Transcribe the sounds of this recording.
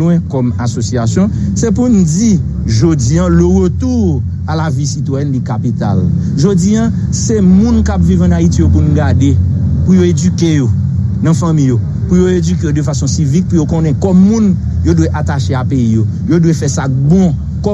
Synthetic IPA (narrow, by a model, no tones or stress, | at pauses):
wɛ̃kɔmasosiasjɔ̃sɛpund͡zi | ʒod͡ziɐ̃løʁøt̪u | alavisit̪wajɛnlikapit̪a̰l | ʒod͡ziɐ̃ | semũnkapvivɐ̃naitijopunɡadepujoedykejo | nɐ̃fɐ̃mĩjo | pujoed͡zyk̬ejodøfasɔ̃sivik̚pujokõnɛ̃kɔmũn | jodweʔat̪aʃeapeijo | jodwefɛsabɔ̃ | kɔ